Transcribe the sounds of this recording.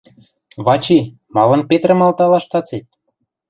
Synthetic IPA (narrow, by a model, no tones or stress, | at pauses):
βɑt͡ɕi | mɑlɤ̆npet̪rə̆mɑlt̪ɑlɑʃt̪ɑt͡set̪̚